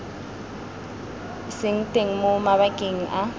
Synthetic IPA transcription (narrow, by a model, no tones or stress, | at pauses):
sɪŋ̩tʼeŋ̩mʊmaβakʼeŋ̩ʔa